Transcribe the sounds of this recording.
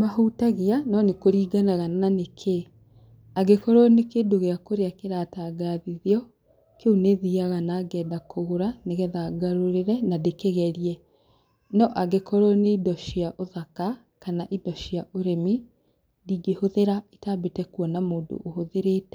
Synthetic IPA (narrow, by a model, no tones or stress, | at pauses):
mahutaɣeanɔnekoɾiːɡanaɣanananekʰe | aɡekɔɾɔnekedoɣeakoɾeakeɾataːɡaðiðeɔ | keuneðiaɣanaːɡɛːdakʰoɣoɾaneɣɛðaɡaɾoɾeɾɛnadekeɣɛɾiɛ | nɔʔaɡekʰɔɾɔneidɔʃiaʔoðaka | kanaʔidɔʃiaʔoɾemi | diːɡehoðeɾaetaːbetɛkwɔnamoːndo̰ʔːhoðeɾeːtɛ